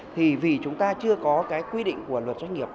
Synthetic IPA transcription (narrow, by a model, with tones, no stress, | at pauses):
t̪ʰi˨˩vi˨˩t͡ɕʊ˨˦ŋ͡mt̪aː˧t͡ɕɨ˧əkɔ˨˦kaː˨˦jkwi˧ɗḭ˧˨ŋ̟ku˧˩əlwə˨˩t̚za˧ŋ̟ŋi˨˩əp